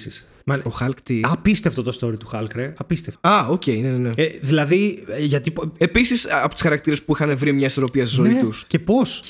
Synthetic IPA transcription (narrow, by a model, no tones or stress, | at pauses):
sis | mɐnoxɐlkt̪iɐpist̪eft̪ot̪ost̪o̞ɾit̪uxɐlkɾeɐpist̪eft̪ɐo̞ce̞ineneneðilɐðiʝɐt̪ie̞pisisɐpot̪u̥sxɐɾɐkt̪iɾe̞spuixɐnevɾimɲɐiso̞ɾo̞piɐsezo̞it̪uscepo̞s